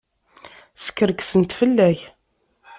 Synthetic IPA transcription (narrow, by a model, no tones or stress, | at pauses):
sə̥kːəɾəksənt̪fəlːæç